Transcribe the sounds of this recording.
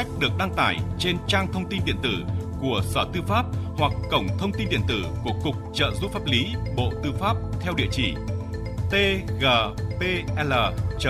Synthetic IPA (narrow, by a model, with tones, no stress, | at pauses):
k̟̚ɗɨ˨˩ək̚ɗa˧ŋt̪aː˧˩jt͡ɕe˧nt͡ɕaː˧ŋt̪ʰə˧wŋ͡mt̪i˧nɗḭ˧˨ənt̪ɨ˧˩ku˧˩əsəː˧˩t̪ɨ˧faː˦˥p̚hwa˨˩k̚ːə˧˩wŋ͡mt̪ʰə˧wŋ͡mt̪i˧nɗḭ˧˨ənt̪ɨ˧˩ku˧˩əkʊ˨˩k͡p̚t͡ɕə̰ː˧˨zu˦˥faː˦˥p̚li˨˦ɓo̰˧˨t̪ɨ˧faː˦˥p̚t̪ʰɛ˧wɗḭ˧˨ət͡ɕi˧˩ | t̪e˧ɣəː˨˩pe˧ʔɛ˧ləː˨˩t͡ɕə˧˩